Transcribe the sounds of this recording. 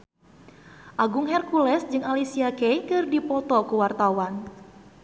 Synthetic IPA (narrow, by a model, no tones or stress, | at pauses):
ʔaɡʊŋhɛrkulɛsd͡ʒɨŋalisiakɛjkɨrdipɔt̪ɔkuwart̪awan